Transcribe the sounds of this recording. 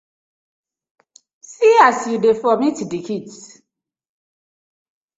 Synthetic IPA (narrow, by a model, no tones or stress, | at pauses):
siasjudefɔmitdikʰits